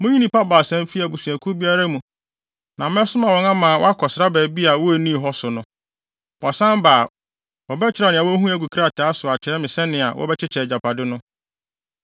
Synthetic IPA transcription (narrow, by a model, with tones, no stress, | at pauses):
mʊ̃˦ɲĩ˦nĩ˦pa˦ba˨sɛ̃˦m˦fi˦a˨bu˨su˨æ˨kʰu˦bi˦a˦ɾa˦mũ˨ | nã˨mɛ̃˦sʊ˦mã˨wɔ̃˨˦nã˦mãː˨wɔ̰˦a˦kʰɔ˨sɪ˨ɾa˦bɛː˨bi˦a˨wɔ˦æ˨nĩ˦˨ɦɔ˦sʊ˨nʊ̃˦ | wɔ˨sã˦m˦baː˨ | wɔ˨bɛ˦t͡ɕʰɪ˦ɾa˨nɪ̃˨a˨wɔ˦ɦũ˦æ˨ɡu˨kʰɾa˦˨tʰa˦sʊ˨a˨t͡ɕʰɪ˨ɾɛ˦mɪ̃˨sɛ˦nɪ̃˨a˨wʔɔ̰˦bɛ˦t͡ɕʰɪ˦t͡ɕʰɛ˨d͡ʑa˨pʰa˨dɪ˦nʊ̃˦